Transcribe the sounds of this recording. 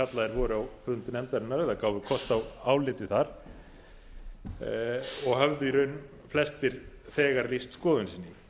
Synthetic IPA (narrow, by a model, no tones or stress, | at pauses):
kat̪laðɛɾvɔːɾʏawfʏnt̪nɛmt̪aɾɪnːaɾɛðakaːwvʏkʰɔst̪awaːwlɪːt̪ɪθaɾ̥ | ɔɣhœvðʏiɾœɥn | flɛst̪ɪɾ̥ | θɛːɣaɾlist̪skɔːðʏnsiːnːɪ